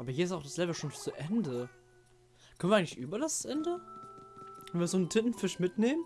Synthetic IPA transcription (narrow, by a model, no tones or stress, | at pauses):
ʔaːbɐhiɐɪstaʊxd̥aslɛvl̩ʃoːnt͡suʔɛndə | kʰœnviːaɡŋklɪçʔyːbɐɾasʔɛndə | kʰœnviːɐzoːntʰɪtn̩fɪʃmɪtneːmən